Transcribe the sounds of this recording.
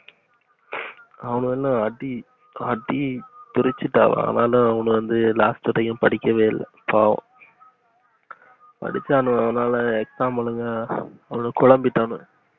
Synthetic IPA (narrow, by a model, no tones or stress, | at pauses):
ɐʋɐnɯɛlːãɐɖi | ɐɖit̪ʊɾɪt͡ʃːɯʈːa̰ːʋ̰ɐ̰ɐ̰naːlʊ̃ɐʋɐnɯʋɐnd̪ɯlaːsʈɯɾɐjʊ̃pɐɽɪkʲːɐʋeːlɐ̰ | pʰaːʋʊ̰̃ | pɐ̰ɽɪt͡ʃːaːnʊ̃ɐðɐnaːlɐɛksaːmɐɭɯŋɡɐːʋɐnɯkʊɭɐmbɪʈːaːnʊ̃